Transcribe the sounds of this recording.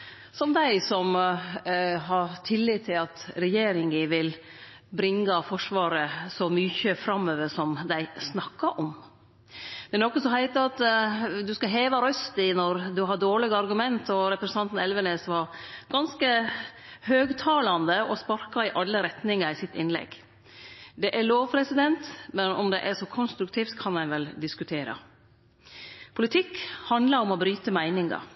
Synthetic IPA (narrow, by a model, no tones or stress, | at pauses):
sɔmd̪æɪsɔm | ɦɑɾt̪ʰɪlːɪt̪ʰːɪlɑt̪ɾɛjeːɾɪŋəʋɪl | bɾɪŋːɑfɔʂʋɑːɾəsɔmyːçəfɾɑmːøːʋəsɔmd̪æɪsnɑkːɑʔɔm | d̪̥ɛæɾnɔkːəsɔmɦæɪt̪əɑt̪d̪ʉskɑɦeːʋɑɾœst̪ɪnɔɾd̪ʉɦɑdoːɭɪɡɑɾɡʉmɛnt̪ʰɔɾɛpɾəsnɑnt̪n̩ɛlʋəneːsʋɑɾɡ̥ɑnskə | høːɡt̪ʰɑːlɑnd̪əɔspɑɾkɑɪʔɑlːəɾɛt̪nɪŋɑɾɪsɪt̪ːɪnlɛ̰ɡ | d̪ɛʔæɾɭoːʋpʰɾɛsɪd̪ɛnt̪mɛnɔmd̪ɛʔæʂɔkʰɔnst̪ɾʉk̚t̪ʰiːft̪kʰɑnæɪʋɛld̪ɪskʉt̪ʰeːɾɑ̰ | pʰʊlɪt̪ʰɪkːhɑnd̪lɑɾɔmɔbɾyːt̪əmæɪnɪŋɡɑ̰